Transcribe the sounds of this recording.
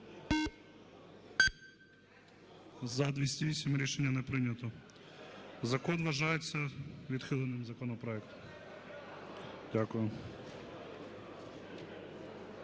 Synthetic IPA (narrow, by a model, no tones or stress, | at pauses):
zɐd̪ʋʲisʲtʲiʋʲisʲimɾʲiʃenʲːɐnɛpɾɪnʲɐt̪ɔ | zɐkɔnʋɐʒɑjet͡sʲːɐʋʲid̪xɪlˠenɪmzɐkɔnɔpɾɔɛkt̪ɔ̥m | dʲakʊjʊ